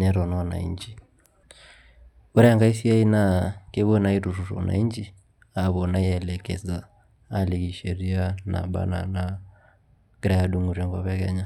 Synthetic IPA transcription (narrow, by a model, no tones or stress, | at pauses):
nɛɾɔnana̰ḭɲd͡ʒi | uɾɛŋɡais̬iainakɛβɔnaiɾuɾuɾɔ̰na̰iɲd͡ʒi | aβɔnaiɛlɛkɛ̰za | aliɣiʃɛɾiana̰ɓa̰na̰na | ɡ̥ɾaaɗuŋuɾɛŋɡaβɛkɛɲa